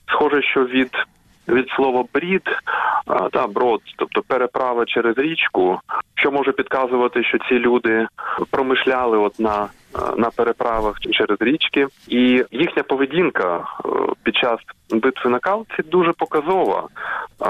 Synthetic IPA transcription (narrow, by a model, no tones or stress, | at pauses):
sxɔʒɛʃt͡ʃɔʋʲid̪ | ʋʲid̪slˠɔʋɔbɾʲid̪ | d̪ɑbɾɔd̪t̪ɔp̚t̪ɔpeɾepɾɑʋɐt͡ʃɛɾezɾʲit͡ʃkʊʃt͡ʃɔmɔʒɐpʲid̪kɑzʊʋɐt̪ɪʃt͡ʃɔt͡sʲilʲud̪ɪpɾɔmɪʃlʲalˠɪɔt̪nɐ | nɐpeɾepɾɑʋɐxt͡ʃɛɾezɾʲit͡ʃkɪijixnʲɐpɔʋedʲinkɐpʲid̪̚t͡ʃɑsbɪt̪ʋɪnɐkɑlˠt͡sʲid̪uʒɛpɔkɐzɔʋɐ̰